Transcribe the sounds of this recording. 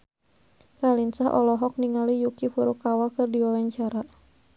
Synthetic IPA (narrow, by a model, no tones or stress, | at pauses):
ralinsaɦʔɔ̰lɔɦɔk̚niŋalijukifuɾukawakɨrdiwawaɲt͡ʃaɾa